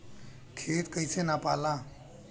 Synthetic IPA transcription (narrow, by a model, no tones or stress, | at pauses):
kʰet̪kəjsenapalã